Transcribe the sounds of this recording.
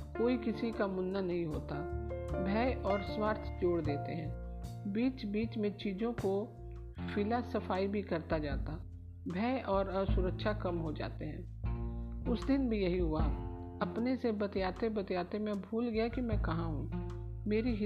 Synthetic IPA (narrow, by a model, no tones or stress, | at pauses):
koːikɪsikamʊnːanɐɦĩɦoːt̪abʱɛːʔɔːɾswaːɾt̪ʰd͡ʒoːɽd̪eːt̪eɦɛ̃ː | biːt͡ʃbiːt͡ʃmẽt͡ʃiːzõko | fɪlasɐfaːibʱikɐɾt̪ad͡ʒaːt̪a | bʱɛːʔɔːɾəsʊɾəkʃakɐmɦod͡ʒa̰ːt̪eɦɛ̰̃ː | ʊsd̪ɪnbʱijɐɦiɦʊa | ɐpnesebɐt̪jaːt̪ebɐt̪jaːt̪emẽbʱuːlɡɐjakimɛ̃kɐɦãɦũː | meːɾiɦ